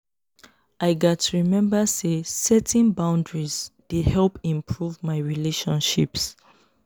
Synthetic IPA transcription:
ʔaɪɡɔtɹimɛ̃mbəsesɛtʰĩnbãʊ̃ndɹizd̥ehɛlpĩmpʰɹuvmaɪɹileʃɔ̃nʃips

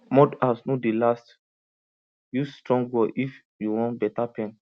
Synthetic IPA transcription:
mɔdasnodelast | justɹɔ̃ŋɡɔʔif | juwɔ̃nbɛtapɛ̃n

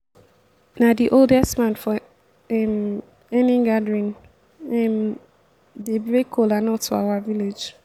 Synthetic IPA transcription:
nadiʔoldɛstmãnfɔ | ɛm | ɛniɡadɹĩn | ɛm | debɾekʰolanɔtua̰waviled͡ʒ

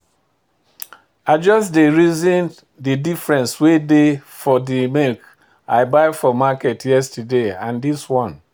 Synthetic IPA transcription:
aɪd͡ʒɔsdeɹizĩn | didifɹɛ̃nswedefɔdimelk | aɪbaɪfɔmakɛtjɛstudeãndiswɔ̃n

